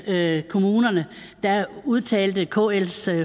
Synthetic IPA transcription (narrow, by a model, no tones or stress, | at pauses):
kʰo̝muːnɐnə | d̥ɑ̈uð̞ˠt͡sʰɛ̰ːld̥əkʰo̰ːels